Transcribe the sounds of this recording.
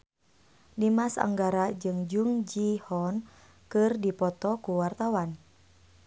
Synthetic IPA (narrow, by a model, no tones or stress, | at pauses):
dimasa̰ŋɡaɾad͡ʒɨŋd͡ʒuŋd͡ʒihɔn | kɨrdipɔt̪ɔkuwart̪awan